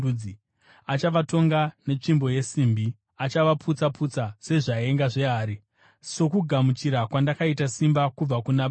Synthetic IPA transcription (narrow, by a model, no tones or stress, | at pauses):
i | at͡ʃaʋato̞ŋɡane̞t͡ʂimbo̞je̞siːmbi | at͡ʃaʋapʰut͡sapʰut͡sase̞ʐae̞ŋɡaʐe̞aːɾi | so̞kuɡʱamut͡ʃiɾakwandakaitasimbakub͡vakunaɓ